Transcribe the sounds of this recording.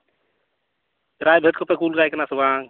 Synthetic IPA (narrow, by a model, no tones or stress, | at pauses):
ɾaːjbʱet̪kopekuːlɡaːjknasuwaːŋ